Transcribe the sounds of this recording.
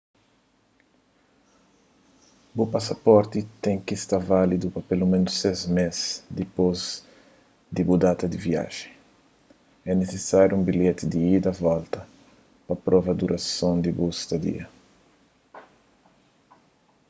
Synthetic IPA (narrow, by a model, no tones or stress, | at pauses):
bupasɐpɔɾt̪it̪ẽŋ̃kist̪aɾvalid̪upɐpelumẽnʊsezmezd̪ipoz | d̪ibud̪at̪ɐd̪ivia̰ʒẽ | ɛnesesaɾjuũmbilet̪id̪iid̪ɐvɔlt̪ɐ | pɐpɾɔvɐd̪uɾʔɐsõnd̪ibust̪ɐd̪ḭɐ